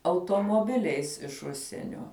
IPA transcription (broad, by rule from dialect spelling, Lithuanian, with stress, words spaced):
ɐʊtoːmoːˈbʲɪlʲɛɪs ɪʃ ˈʊʃʲsʲiɛnʲoː